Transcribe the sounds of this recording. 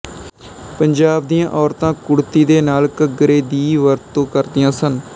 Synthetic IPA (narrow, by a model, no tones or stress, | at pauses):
pəɲd͡ʒaːb̚d̪ijãːʔɔːɾt̪ãːkʊɽt̪iːd̪eːnaːlkəɡəɾeːd̪iːʋəɾt̪ːõːkəɾd̪ɪjãːsən